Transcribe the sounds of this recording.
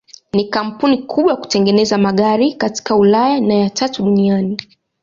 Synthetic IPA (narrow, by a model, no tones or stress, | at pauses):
nikam̩punikʰuɓwajaku̥tɛŋɡɛnɛzamaɠaɾikati̥kaulajanajatʰatuɗuniani